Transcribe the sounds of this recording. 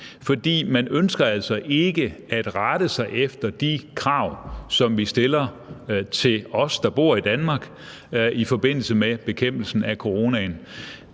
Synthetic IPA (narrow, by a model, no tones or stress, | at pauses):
fɒ̽d̥ḭːmænønsɡ̥ɐæl̰sɒ̽ʔe̝ɡ̥əæd̥ʁɑd̥əsɑ̈ɪʔefd̥ɐd̥ikʰʁɑ̈ʊ̰sɒ̽mʋisd̥e̝lɐ | t͡sʰe̝lɒ̽sd̥ɑ̈b̥o̝ɐ̰id̥ænmɑ̈ːɡ̥ | ifɒ̽b̥e̝n̰l̩səmeb̥e̝kʰem̰b̥l̩sn̩ækʰo̝ʁo̝ːnæn